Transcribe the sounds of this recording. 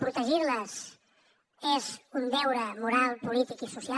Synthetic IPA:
pɾut̪əʒiɾləz | ɛzund̪ɛwɾəmuɾalˠpulit̪ikisusia

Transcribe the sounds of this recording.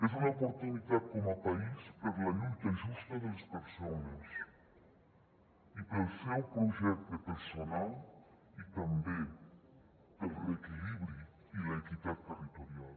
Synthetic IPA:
ezunaopoɾt̪unit̪at̪̚kɔmapaispəɾlalut̪ezist̪eðelspeɾsones | ipelsɛwpɾuʒɛk̚t̪epeɾsonal | it̪ambe | pəlrekiliβɾi | ilaekit̪at̪̚ːerit̪oɾjal

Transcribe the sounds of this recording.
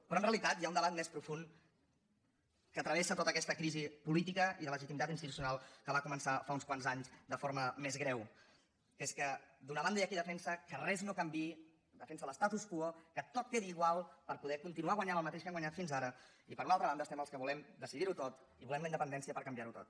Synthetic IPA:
pɾɔənreəlit̪at̪jaund̪əβat̪̚mespɾufun | kəːt̪ɾəβesət̪ot̪əkɛst̪əkɾizipulit̪ikəiðələʒit̪imit̪at̪inst̪it̪u̥siunalˠkəβakumənsafaunskwanzaɲzd̪əfoɾməmezɣɾɛw | eskəd̪unəβand̪əiəkiðəfɛnsəkərɛznokəmbi | d̪əfɛnsələst̪at̪uskuokət̪ot̪̚keðiːɣwalˠpəɾpuðɛkunt̪inuaɣwaɲanəlˠmət̪eʃkɛmwaɲat̪finzaɾə | ipəɾunalˠt̪ɾəβand̪əst̪ɛməlˠskəβulɛmd̪əsiðiɾut̪ot̪ | iβulɛmləind̪əpənd̪ɛnsiəpəɾkəmbjaɾut̪ot̪̚

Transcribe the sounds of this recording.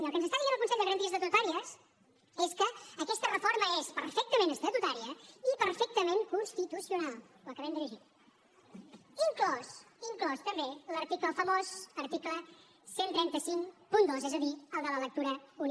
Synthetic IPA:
nəlˠkənzəst̪aðiʒenəlkunsɛʎd̪əɣɾənt̪iəzðət̪ut̪aɾiəs | eskəːkɛst̪ərəfoɾməespəɾfɛk̚t̪əmẽnəst̪ət̪ut̪aɾiəipəɾfɛk̚t̪əmeŋkunst̪it̪usiunalˠ | əkəβɛmd̪iɾiʒit̪ | iŋklɔs | iŋklɔst̪əmbeləɾt̪ikləfəmozəɾt̪iklə | sent̪ɾɛnt̪əsiŋpund̪ozɛzəðiəlˠd̪ələlək̚t̪uɾəun

